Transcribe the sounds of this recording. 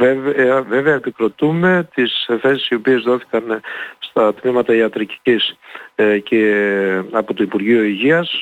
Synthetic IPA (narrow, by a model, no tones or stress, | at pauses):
evɐve̞veɐepikɾo̞t̪ume̞t̪isfe̞si̥sio̞pie̞zðo̞θi̥kɐnst̪ɐt̪mimɐt̪ɐiɐt̪ɾici̥cis | ce | ɐpo̞t̪oipuɾʝioiʝiɐs